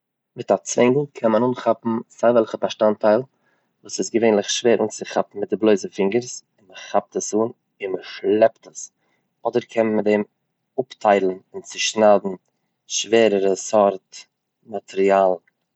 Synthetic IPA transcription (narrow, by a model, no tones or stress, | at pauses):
mɪtat͡svɪŋɡl̩ˠkʰɛnmənuːnχapm̩zaɪvɛlˠχəbaʃtantʰaɪlˠ | vuːsɪsɡəveɪnlˠɪχʃveːɾʔuːnt͡sɪχapm̩mɪt̚dɪblˠoɪzəfɪŋɡəɾsɪnməχap̚təsuːn | ɪnməʃlˠɛptəs | ɔdəɾkʰɛnmədɛm | ʊptʰaɪlˠn̩ɪnt͡sɪʃnaːdn̩ | ʃveːɾəɾəsɔɾt | matʰɛɾialˠ